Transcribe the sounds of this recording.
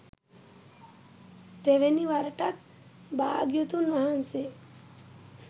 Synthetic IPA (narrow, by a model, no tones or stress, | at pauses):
t̪eʋeniʋaɾəʈat̪̚ | bʱaːɡjot̪unʋaɦanse